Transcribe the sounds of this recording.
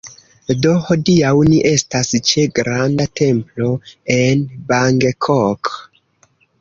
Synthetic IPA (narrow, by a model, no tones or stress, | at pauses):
do̞ho̞diawniʔe̞stast͡ʃeɡɾandate̞mplo̞e̞nbaŋɡekʰok